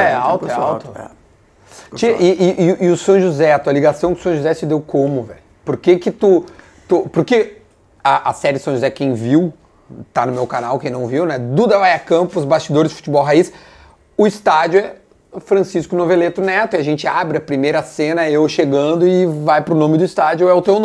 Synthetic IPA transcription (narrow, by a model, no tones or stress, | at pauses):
ɛawt̪ɛa̰wt̪ʊ̰ | t͡ʃiɪʔɪʔɪʊsɐ̃w̃ʒuzɛat̪uɐliɡasɐ̃w̃kɪʊ̥sɐ̃ʒuzɛsɪd̪ewkõmʊvɛ̰ʎʊpoɾkekɪt̪u | t̪upoɾke | aʔɐsɛɾɪɪsɐ̃ʒuzɛkẽj̃viw | t̪anʊmewkanawkẽj̃nɐ̃w̃viwnɛd̪ud̪ɐvajakɐ̃pʊʊzbast͡ʃid̪oɾɪzd̪fu̥t͡ʃibɔwɦais | ʊɪst̪ad͡ʒʊɛ | fɾɐ̃siskʊnovelet̪ʊnɛt̪ʊiɐʒẽnt͡ʃɪabɾɪɐpɾimejɾɐsẽnɐewʃeɡɐ̃nd̪ʊɪvajpɾʊnõmɪd̪ʊist̪ad͡ʒʊɛʊt̪ewnõ